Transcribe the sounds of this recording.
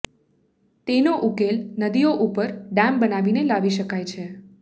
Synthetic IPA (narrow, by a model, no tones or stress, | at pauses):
t̪enoʔukelnəd̪ijoʔupəɾɖãmbənaʋinelaʋiʃəkajt͡ʃʰe